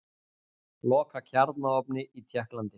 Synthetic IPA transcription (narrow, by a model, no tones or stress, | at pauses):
lɔːkacʰaɾt̪naɔpnɪʔit̪ʰjɛhklant̪ɪ